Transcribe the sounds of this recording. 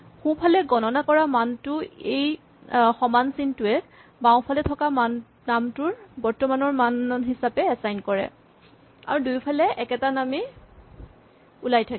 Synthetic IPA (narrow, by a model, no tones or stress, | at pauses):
xupʰalɛɡɔnɔnakɔɹamantʊej | xɔmansintʊɛ | bawpʰalɛtʰɔkaman | namtʊɹbɔɹtɔmanɔɹmanɦisapɛɛsajnkɔɹɛ̰ | a̰ɹudujpʰalɛʔɛkɛtanami | ulajtʰak